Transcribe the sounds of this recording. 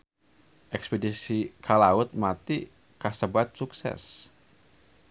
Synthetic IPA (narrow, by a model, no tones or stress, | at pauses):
ʔɛkspɛdisikʰalaʊt̪̚mat̪i | kahsəbat̪̚suksɛ̰s